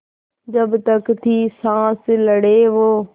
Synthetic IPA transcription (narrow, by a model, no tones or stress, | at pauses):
d͡ʑɐbt̪əkt̪ʰiːsãːsləɽeʋoː